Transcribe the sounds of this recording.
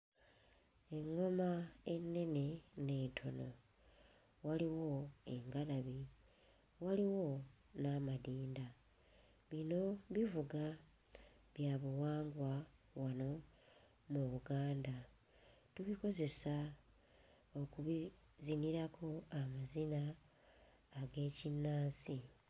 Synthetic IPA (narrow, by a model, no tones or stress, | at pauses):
e̞ŋːo̞mae̞nːe̞ne̞ne̞tʰo̞no̞ | waliwo̞e̞̰ŋɡalaβi | waliwo̞ | namadiːnda | βino̞βivuɡa | βjaːβuwaːŋɡwawano̞ | muβuɡaːnda | tuβiko̞ze̞sa | o̞kuβi | ziniɾakʰo̞amazinaː | ɡe̞ːcinːaːsi